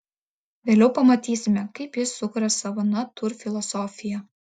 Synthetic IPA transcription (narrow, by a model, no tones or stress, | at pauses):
ʋʲeːlʲɛʊpɐmɐt̪ʲiːsʲɪmʲɛkɐɪpjɪsːʊkʊɾɐsɐʋɐnɐt̪ʊɾfʲɪlˠɔsɔːfʲɪjɛ